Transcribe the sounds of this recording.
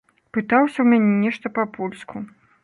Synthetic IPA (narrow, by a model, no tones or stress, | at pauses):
pɨt̪awsʲɐwmʲanʲɛnʲɛʂt̪ɐpɐpʰulʲskʰu